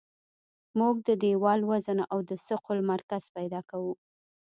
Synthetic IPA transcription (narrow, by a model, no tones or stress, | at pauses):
muɡ̚d̪əd̪ewɑlwazənaʔawd̪əsəqʊlmaɾkaz̥pajd̪ɑkawu